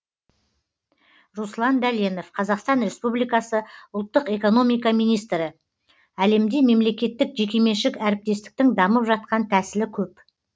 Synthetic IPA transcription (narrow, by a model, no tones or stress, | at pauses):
ruslˠɑnd̪æljeno̞fqʰɑzɑqst̪ɑnɾe̞spublijkɑsəʊlˠt̪ːəqe̞ko̞no̞mijkɑmijnijst̪ɾɪ | æle̞md̪e̞me̞mle̞kʲe̞t̪ːɪkʒe̞kʲe̞me̞ʃɪkæɾɪp̚t̪e̞st̪ɪ̥k̚t̪ɪŋd̪ɑməpʒɑt̪̚qɑnt̪ʰæsɪlɪkʲʰɵp